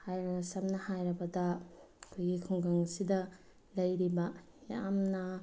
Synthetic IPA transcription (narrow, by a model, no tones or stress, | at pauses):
hajɾɐɐsɐmnɐhajɾɐbɐdɐ | ɐkʰojɡikʰuŋɡaŋɐsidɐ | lɐjɾibɐ | ja̰mnɐ